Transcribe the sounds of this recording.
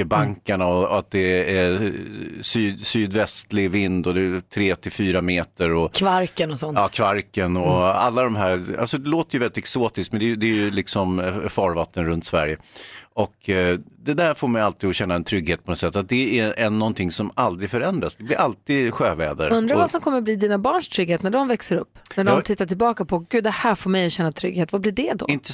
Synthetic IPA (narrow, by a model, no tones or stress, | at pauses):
əbaŋkaɳaɔat̪̚d̪ɛæ | syːsyːd̪vɛst̪lɪɡvɪnd̪ɔd̪ɛt̪ʰɾeːt̪ʰɪlfyːɾameːt̪əɾɔkʰvaɾkənɔsɔnɑːkʰvaɾkənɔa̰lːad̪ɔmɦæːɾa̰lsɔd̪ɛloːt̪əɾjəvɛlːɪt̪ɛksoːt̪ɪsk̪mɛnd̪ɛjd̪ɛjɵlɪksɔmfɑːɾvat̪ʰːənɾɵnt̪svæɾjəɔkd̪ɛd̪æɾfoːɾmɛjalt̪iːɡɔɕɛnːaɛnt̪ʰɾʏɡːheːt̪̚pɔnɔsɛt̪ːat̪̚d̪ɛæɛnːɔnt̪ʰɪŋsɔmald̪ɾɪɡfœɾɛnd̪ɾasd̪ɛblɪɾʔalt̪iːd̪ɧøːvɛːd̪ə̰ɾɵnd̪ɾavasɔmkʰɔmːəɾbliːd̪iːnabɑːɳʂt̪ʰɾʏɡheːt̪næɖɔmvɛksəɾɵpːnæɖɔmt̪ʰɪt̪ːaʈ̬ɪlbɑːkapʰɔɡʉ̟ːd̪ɛhæːɾfoːɾmɛjɔɕɛnːat̪ʰɾʏ̰ɡheːt̪vablɪɖɛd̪ɔ̰ɪnt̪ə